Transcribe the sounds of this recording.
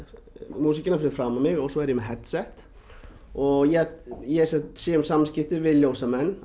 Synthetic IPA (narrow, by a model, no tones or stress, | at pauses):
muːsɪcənafɪnɾfɾamːamɪɣɔsɔɛɾjɪmɛɦɛt̪sɛht̪ | ɔɣjɛjɛsɛt̪siʏmsamːskɪft̪ɪvɪljɔsamɛnː